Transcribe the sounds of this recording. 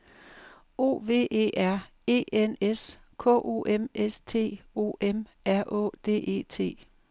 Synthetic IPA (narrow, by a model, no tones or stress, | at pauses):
o̝̰ːʋe̝̰ːʔe̝̰ːʔæɐ̰ | e̝̰ːenes | kʰɔ̰̽ʔo̝̰ʔemest͡sʰe̝̰ːo̝̰ːʔemʔæɐ̰ʔɔ̰ːd̥e̝̰ːʔe̝̰ːt͡sʰe̝̰ː